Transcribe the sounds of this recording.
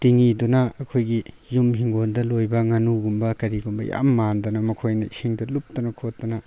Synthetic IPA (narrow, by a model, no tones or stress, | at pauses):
tiŋidunɐɐkʰojɡi | jumɦiŋɡondɐlojbɐŋanuɡumbɐkɐɾiɡumbɐja̰mːandɐnɐmɐkʰojnɐisiŋdɐlup̚tɐnɐkʰotdɐnɐ